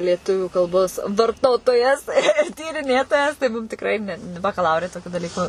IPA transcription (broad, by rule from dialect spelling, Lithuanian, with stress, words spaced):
lʲiɛˈtʊʋʲuː kɐlˠˈboːs ʋɐrˈtoːtoːjɛs ɪr tʲiːrʲɪˈnʲeːtoːjɛs tɐɪ ˈmʊm tʲɪkˈrɐɪ ˈnʲɛ nʊ bɐkɐˈlˠɐʊrʲɛ toːˈkʲʊ dɐˈlʲiːkʊ